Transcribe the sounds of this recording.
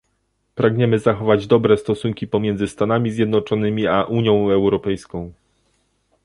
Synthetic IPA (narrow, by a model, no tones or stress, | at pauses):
pɾaɡɲɛmɘzaxɔvad͡ʑd̪ɔbɾɛst̪ɔsuŋkʲipɔmʲjɛnzɘst̪an̪amʲizʲjɛd̪nɔt͡ʂɔnɘmʲiaʔuɲjɔ̃w̃ɛwɾɔpɛjskɔ̃w̃